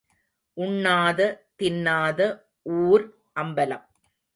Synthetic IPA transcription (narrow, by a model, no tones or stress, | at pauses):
ʔʊɳːaːðɐt̪ɪnːaːðɐ | ʔuːɾ | ʔɐmbɐlɐ̰m